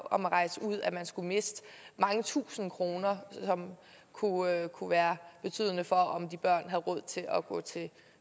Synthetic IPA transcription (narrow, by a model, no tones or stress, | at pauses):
ɒ̽mʁɑ̈ɪsəuð̞̰ˠæmænsɡ̥ume̝sd̥mɑ̈ŋət͡sʰṵːsn̩kʰʁo̝ːnɐsɒ̽m | kʰukʰuʋæːɐb̥e̝t͡sʰy̰ːð̞ˠənəfɒ̽ʔɒmd̥ib̥ɶɐ̰nɦæðˠʁɔ̽ð̞̰ˠt͡sʰe̝lʔɒɡ̥ɔ̰̽ːt͡sʰe̝